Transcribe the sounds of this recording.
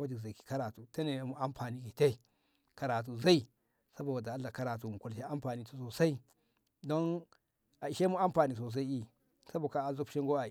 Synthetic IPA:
a˦di˨za˨i˨ki̥˨ka˦ɾa˨tu˨te˦ne˨mu˦a˦mpʰa˨ni˦ɡi˨te˦i˨ | ka˨ɾa˨t̬u˨za˦i˨ | sa˦bo˨wa˨da˨a˦la˨ka˦ɾa˨t̬u˨mu˨ku˨lʃe˦a˦mpa˨ni˦tu̥˦˨so˨sa˦i˦ | do˦n | a˨i˨ʃe˦mu˦a˦mpa˨ni˨s̬o˨s̬a˦i˦i˦ | sa˦bo˨ka˦a˨zu˦pʃe˦ŋɡo˦a˨

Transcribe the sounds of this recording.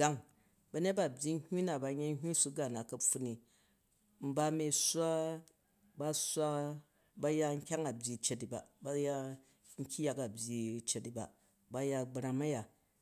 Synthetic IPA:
ɡa˦ŋ | bɐ˧ɲe˦t̚ba˦˨bʲji˦hʲu˦na˨ba˨ɲe˦ɦʲu˦su˦ɡa˨na˨kɐ˨ɸu˦ni˨ | m̩˦ba˦mi˨sʷa˦ | ba˦sʷa˦ | ba˦ja˧ŋ̩˦kʲa˦ŋa˨bʲi˨t͡ʃe˧ti˨ba̰˨ba˦ja˦ | ŋ̩˦kʲi˦ja˨ka˨bʲji˨t͡ʃe˧ti˨ba̰˨ | ba˨˦ja˧ɡ͡bɾa˨ma˦ja˨

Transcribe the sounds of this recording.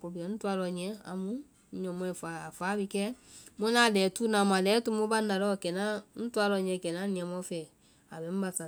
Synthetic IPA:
ko˨bi˨ɛ˨˦n̩˦tu˦a˧lɔ˨ɲɛ̃˨˦a̰˨mũ˦ | ɲɔ̃˨mɔ̃˦ɛ˨fa˨a˨fa˨˦bi˧kɛ˦mo˦na˦˨lɛː˨tu˦na˨ma˨lɛ˨˦tu˦mo˦ba˦nda˨lɔ˦kɛ˨na˦n̩˦tu˦a˧lɔ˧˨ɲɛ̃˧˨kɛ˨nã˦nĩ˨ɛ̃˨mɔ˦fɛ˨ | a˨bɛ˨˦m̩˦ba˧sa˨

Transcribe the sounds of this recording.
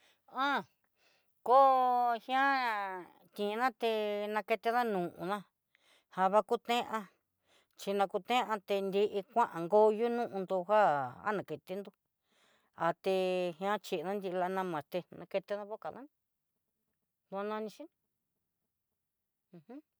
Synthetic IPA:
ã˦ | ko˦hj̃ã˦ | t̪ĩ˨˧nã˦t̪e˧nã˧ke˧t̪e˧ða˦nũ˨ʔṵ̃˧nã˦ | ha˧βa˧ku˦t̪ẽ˦ʔã˧ | t͡ʃi˧nã˧ku˧t̪ẽ˦ʔã˧t̪e˧nd̪i˧ʔi˧kʷã˦ʔã˨ŋɡo˦ju˦nũ˦ʔũ˧nd̪u˧ɦa˦a̰˦nã˨ke˨t̪i˦nd̪u˧ | a˧t̪e˧hj̃ã˦t͡ʃi˧˨˧nã˦nd̪i˧la˧nã˧mã˨t̪e˧nã˧ke˧t̪e˧˦ða˦βo˦ka˨ðã˦n˧ | d̪u˧a˧nã˧nĩ˧ʃi˦n˧ | ũ˧hũ˦

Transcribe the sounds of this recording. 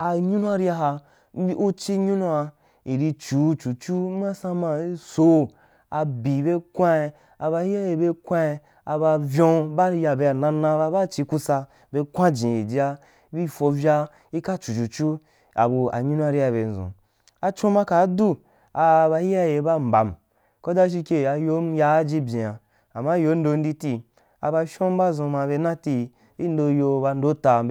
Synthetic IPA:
a˨ɲũ˦nũ˦a˦˧ɾi˦a˧ɦa˧˦ | u˦t͡ʃi˦ɲu˦nũ˧a˧ | i˨ɾi˧t͡ʃu˨˦t͡ʃu˨t͡ʃu˦mã˦sã˧mã˧˦so˨ | a˧bi˨be˧kʷã˦˧ | a˧ba˧hi˦a˦je˧be˧kʷã˦˧ | a˧ba˧vjõ˧ba˦ɾja˧be˧a˨nã˧nã˧ba˧ba˦t͡ʃi˧ku˧sa˧ | be˧kʷã˦d͡ʒĩ˨i˨d͡ʒi˦a˧˦ | bi˦fo˧vʲa˧ | i˦ka˦t͡ʃu˨t͡ʃu˨t͡ʃu˦ | a̰˨bu˧a̰˨ɲĩ˦nu˦a˧ɾi˦a˧be˧n̩˨zṵ̃˨ | a˧t͡ʃõ˦mã˧ka˨˦du˦ | a˧ba˧i˦ja˦je˧˦ba˦m̩˨ba˨m | ko˦da˦ʃ̬i˧kʲe˧a˧jo˨˦m˦ja˦d͡ʒi˦bʲẽ˨a˨ | a˨ma˦jo˨˦n̩˦do˧n̩˦di˦ti˧ | a̰˧ba˧ʃõ˦m˦ba˦zũ˧mã˧be˧˦nã˦ti˧ | i˦n̩˦do˧jo˧ba˧n̩˦do˦ta˧

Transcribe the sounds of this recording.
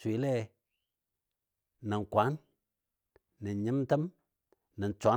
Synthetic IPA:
wi˨˦le˦ | ni˨nkʷa˨˦n | ɨ˨nɲi˦mtə˦m | nə˨nt͡ʃʷa˨˦

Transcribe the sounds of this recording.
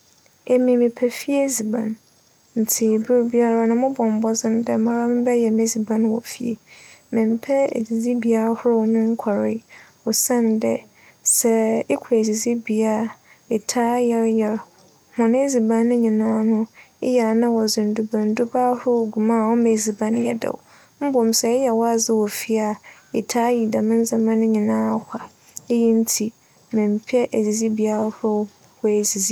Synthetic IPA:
e˨mĩ˨mɪ̃˨pʰɛ˨fi˦e˦zi˨bã˨n | n̩˨tʰi˨bu˦ɾbi˦a˦ɾa˦nʊ̃˦mʊ̃˦bɔ̃˨m˨bɔ˦zɪ̃˦n˦dɛ˦mã˦ɾa˦mɪ̃˦bɛ˦jɛ˨me˦zi˨bã˦n˦wɔ˨fi˨ḛ˨mɪ̃˨m˨pʰɛ˦ḛ˨zi˨zi˦bi˨a˨˦ɾa˦hʊ˦ɾʊ˦nʊ̃˦ŋ̩˦kʷʰa˨ɾɪ̰˦ | ɔ˨sã˦ndɛ˦ | sɛ˦ɪ˦kʷʰe˨d͡zi˨zi˦bi˨a˨˦ | ɪ˨tʰaː˦jɛ˦ɾjɛ˨ɾ | hɔ̃˨ñ˦e˦zi˨bã˦nʊ̃˦ɲĩ˨nãː˦nʊ̃˦ɪ˦ja˨nã˦wɔ˨zɪ̃˨n̩˨du˨bã˨n̩˦dʊ˦baː˦hɾʊ˦˨ɡu˨mãː˦˨ɔ˦mẽ˨zi˨bã˦ñ˦jɛ̰˨dɛ̰˨w̰ | m̩˦bɔ̃˨m˨sɛ˨ɪ˦jɛ˨wɔ˦a˦˨zɪ˦wɔ˨fi˦a˨ɪ̰˨tʰaː˦ji˨da˨mɪ̃˦n̩˦za˨mã˦nʊ̃˦ɲĩ˨nãː˦a˦˨hʷa˨ | e˦ji˦n̩˦tʰi˨ | mɪ̃˨m˨pʰi˦ɛ˦ʔæ˨zi˨zi˦bi˨a˦ɾhʊ˦ʊ˦ | hɔ˦e˨zi˨zi˦

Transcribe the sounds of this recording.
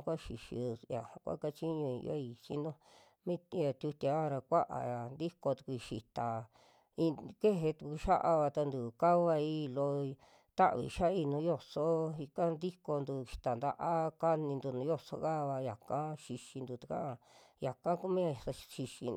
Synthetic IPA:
kʷa˦ʃi˨ʃḭ˧ja̰˨ha˨˧kʷa̰˦ka˦t͡ʃi˦ɲũ˧ḭ̃˧o̰˦i˧t͡ʃḭ˦nd̪õ˦ | mĩ˦˧˦ja˨t̪ʲu˧t̪ʲa˧˦˧ɾa˧kʷa˦ʔa̰˨ja˨nd̪i˦ko˧t̪u̥˧ku˧ʃi˨t̪a˨ | i˧ke˦ɦe˧t̪u˧ku˧ʃa˦ʔa˧βa˧t̪a˧nd̪u˨ka˦βa˧i˦˧lo˧ | t̪a˦ʔβḭ˧˨ʃa˦i˧nũ˧˦jo˧so˦i˧ka˦nd̪i˦ko˧nd̪u˧ʃi̥˨t̪a˨nd̪a̰˧ʔa˦ka˦nĩ˧nd̪u˧nũ˨˧˦jo˦˧so̰˧ka˦˧βa˧ja˨kã˦ʃi˧ʃi˧nd̪u˧t̪ḁ˧kã̰˦ʔa˧ja˨kã˦ku˦mĩ˦ja˧˨˧ʃi˧ʃḭ˧

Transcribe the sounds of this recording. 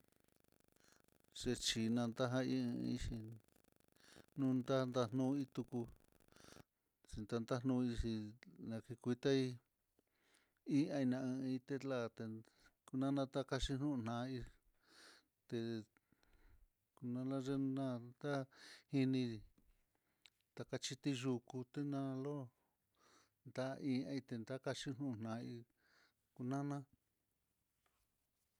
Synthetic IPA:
ʐ̥e˧t͡ʃi˧nã˧nd̪a˦ɦã˦i˦ɨ̃˧i˦ʃi˧ | nũ˦nd̪a˦nd̪a˧n̥nũ˦i˦t̪u˧ku˧ | si˧nt̪a˦˧nd̪a˦n̥ũ˦˧i˧si˧nã˧ki˧kʷi˧t̪a˦i˦ | i˦ã˧i˧nã˧ɨ̃˧i˧t̪e˦la˦˧t̪e˧ | ku˧nã˦nã˧t̪a˦ka˧ʃi˧n̥ũ˦˧n̥nã˧˦i˧ | t̪e˧ | ku˧nã˧la˦ʐe˦nã˦˧d̪a˦hi˧nĩ˧ | t̪a˧ka˧t͡ʃi˧t̪i˦ʒu˧ku˧t̪e˦nã˧lo˦ | nd̪a˦˧ʔĩ˧ã˧i˧t̪e˧nd̪a˦ka˧t͡ʃi˦nũ˦˧˨n̥nã˨˦˧i˧ | ku˧nã˦nã˦

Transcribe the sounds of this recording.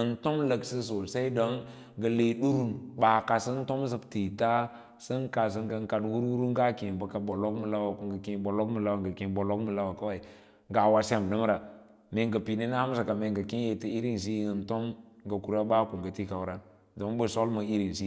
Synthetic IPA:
ə˨nto˦mlə˨ksə˦s̬o˨sa˦i˦do˦ŋ | ɡə˨le˨du˦ɾu˦nba˨ka˨sə˦n˦to˦m˦sə˨bti˨ta˦ | sə˦nka˨s̬ə˦ŋɡə˦ŋ˦ka˨dwu˦ɾwu˦ɾu˦ŋɡa˦ki˨bə˨ka˨bo˨lo˦kmə˨la˦wa˨ku˨ŋɡə˨kĩ˨bo˨lo˦kmə˨la˦wa˨ŋɡə˨ki˨bo˨lo˦kmu˨la˦wa˨ka˦a˨i˨ | ŋɡa˨wa˨sa˦˨m˨də˦m˦ɾa˨ | me˨ŋɡə˨pi˨ni˦na˦a˦m˦sa˨ka˨me˨ŋɡa˨ki˦je˨ti˨i˦ɾi˦ns̬i˦ə˨nto˦mɡə˨ku˨ɾa˦ba˦ku˨ŋɡə˨ti˦ka˨wɾa˦n | do˨˦bə˨so˦lmə˨i˦ɾi˨nsi˦

